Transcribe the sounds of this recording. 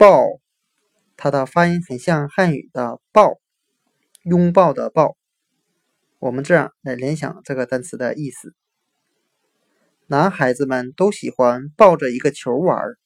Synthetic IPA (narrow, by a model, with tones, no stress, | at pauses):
pɑ˥˩ʊ | t̪ʰa˥d̪ə˨fa˥i˥xə˨˩nɕjɑ˥˧ŋxa˥˩ny̰˨˩d̪̥ə˦pɑ˥˩ʊ | jʊ˥ŋpɑ˥˩ʊd̪ə̰˩pɑ˥˩ʊ | wɔ˨˩mə˦nʈ͡ʂɤ˥˩˧jɑ̰˨˩ŋla˧˥ɪljɛ˧˥nɕjɑ̰˨˩ŋʈ͡ʂɤ˥˩ɡə˩t̪a˥nt͡sʰɹ̩˧˥d̪ə̰˧ʔi˥˩sɹ̩˨˩ | na˧˥nxa˧˥ɪd͡zɹ̩˧mə˨nt̪o˥ʊɕi˨˩xwa˥npɑ˥˩ʊʈ͡ʂə˩i˧˥ɡə˧t͡ɕʰjo˧˥ʊwə̰˞˨˧˥